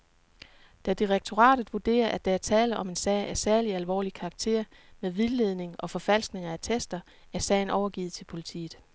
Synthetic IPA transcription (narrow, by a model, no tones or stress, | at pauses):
d̥æd̥iʁeɡ̥̚t͡sʰo̝ʁɑ̰̈ːd̥ð̩ˠʋud̥e̝̰ːɐʔæd̥ææɐt͡sʰɛːləʔɒ̽me̝nsɛɪʔæɐsæɐliælʋɒ̰ːlikʰɑ̈ɡ̥̚t͡sʰe̝̰ɐ̰meðˠʋiðˠle̝ð̞ˠne̝ŋʔɒ̽fɒ̽fæl̰sɡ̥ne̝ŋɐæt͡sʰesd̥ɐ | æɐsɛ̰ɪn̩ʔɒʊɐɡ̥ḭːð̩ˠt͡sʰe̝lpʰo̝lit͡sʰḭːð̩ˠ